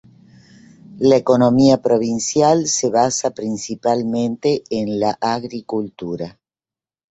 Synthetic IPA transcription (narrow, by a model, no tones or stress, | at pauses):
laeko̞nomiapɾo̞β̞insjalseβasapɾinsipalmẽnt̪eːnlaʔaɣɾikult̪uɾa